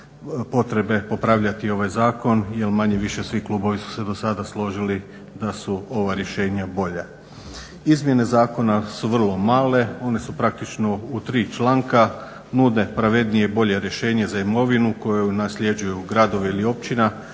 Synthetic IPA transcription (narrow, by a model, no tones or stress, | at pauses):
po̞t̪ɾe̞be̞po̞pɾaʋʎat̪io̞ʋajzaːko̞nje̞lmaɲe̞ʋiʃe̞sʋiklˠuːbo̞ʋisu̥se̞d̪o̞sad̪aslˠo̞ʒili | d̪asuo̞ʋaɾje̞ʃe̞ːɲabo̞ʎa | izmje̞ne̞zaːko̞nasuʋr̩lˠo̞maːle̞o̞ne̞supɾak̚t̪it͡ʃno̞ut̪ɾiːt͡ʃlˠaːŋka | nud̪ne̞pɾaʋe̞d̪nijebo̞ʎe̞ɾje̞ʃe̞ːɲe̞zaimo̞ʋinuko̞junasʎe̞d͡ʒujuɡɾad̪o̞ʋeilio̞p̚t͡ɕina